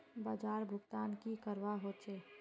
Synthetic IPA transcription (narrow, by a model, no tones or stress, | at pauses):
baːd͡ʒaːɾbʱʊɡt̪aːnkikəɾʋaɦoːt͡ʃeː